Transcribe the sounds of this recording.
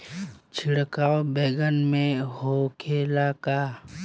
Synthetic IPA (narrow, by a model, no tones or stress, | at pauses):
t͡ʃʰɪɽkaːwobeːɡənmẽhokʰeːlaka